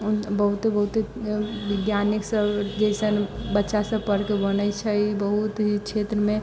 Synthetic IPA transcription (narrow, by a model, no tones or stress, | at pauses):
bəɦut̪bəɦut̪eʋɪɡ̪janiksəbd͡ʒəsənbətːʃasəpəɽkebənət͡ʃʰəbəɦut̪ɦit͡ʃʰet̪ɾəmẽ